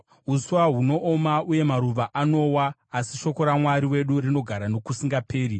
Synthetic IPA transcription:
usuwaɦuno̞ʔomauje̞maɾuʋaʔano̞waːsiʃo̞ko̞ɾamwaɾiwe̞ɗurino̞ɡʱaɾanokusiŋɡapʰe̞ːɾi

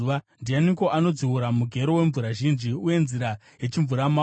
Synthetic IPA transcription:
andianiko̞ʔano̞d͡ziwuɾamuɡʱe̞ɾo̞we̞ɱvuɾaʒind͡ʒiuje̞nziɾa | je̞t͡ʃiɱvuɾama

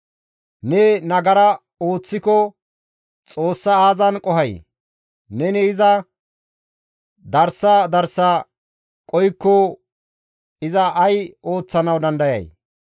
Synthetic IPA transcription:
nɛnɐɡɐɾɐ | o̞ːt͡sːɪkɔ | t͡sʼo̞ːsːɐaːzɐnkʼɔɦɐj | nɛnɪːzɐ | d̪ɐɾsːɐd̪ɐɾsːɐ | kʼɔjkːɔ | ɪzɐʔɐjo̞ːt͡sːɐnɐwd̪ɐnd̪ɐjɐ̰j

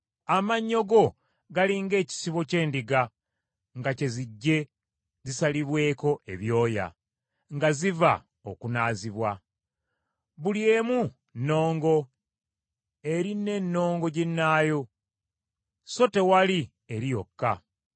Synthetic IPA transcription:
amaɲːo̞ɡo̞ | ɡaliːŋɡe̞ːci̥siβo̞ce̞ːndiɡa | ŋɡace̞ziɟːe̞ | zisaliβwe̞ːko̞ʔe̞βjo̞ːja̰ | ŋɡaziva̰ | okunaːziβwa | βulje̞mu | nːo̞ːŋɡo̞ | e̞ɾine̞nːo̞ːŋɡo̞ɟenːaːjo̞ | so̞te̞wali | eɾijo̞kːa̰

